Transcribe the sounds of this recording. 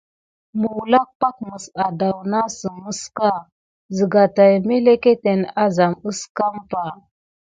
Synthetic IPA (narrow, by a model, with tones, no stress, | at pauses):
mu˨wla˦k̚pa˦k̚mə˨sa˨da˨wna˦sə˨mə˦ska˦˨ | zə˨ɡa˨ta˨jme˦le˦ke˦te˨na˦za˨mu˦ska˦mpa˨